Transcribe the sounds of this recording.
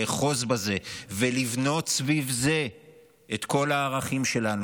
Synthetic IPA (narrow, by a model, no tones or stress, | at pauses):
eχozbaze̞velivno̞tsvivze̞ | etko̞laːʁaχimʃe̞lan